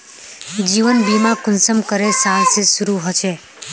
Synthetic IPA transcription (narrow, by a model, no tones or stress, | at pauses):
d͡ʒiʋənbimãkʊnsəmkəɾesalsesuɾuɦət͡ʃʰe